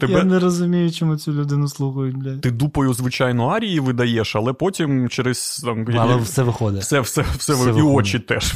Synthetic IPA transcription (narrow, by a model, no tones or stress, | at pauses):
t̪ɛjnɛɾɔzʊmʲijʊt͡ʃɔmut͡sʲʊlʲʊd̪ɪnʊslˠuxɐjʊtʲd̪lʲɐt̪ɪd̪upɐjʊzʋɪt͡ʃɑjnɔɑɾʲijiʋɪd̪ɐjɛʃɐlˠɛpotʲimt͡ʃɛɾɛsʲt̪ɑmjlɛfsɛʋɪxɔd̪ɪsɛfsɛfsɛʋiɔt͡ʃit̪ɛʃ